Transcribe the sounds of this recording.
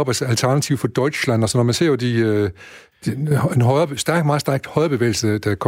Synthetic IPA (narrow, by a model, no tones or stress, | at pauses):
ɒb̥æsælt͡sʰæɐnæt͡sʰiʊ̰fɒd̥ɒ̽ɪ̥slæn̰ɒsɒnːɒmænse̝ɐ̰ɒd̥i | d̥enɦɒɪɐ̥sd̥æɐɡ̥d̥mɑ̈ːsd̥æɐɡ̥d̥hɒɪɐb̥e̝ʋḛːlsəd̥ækʰ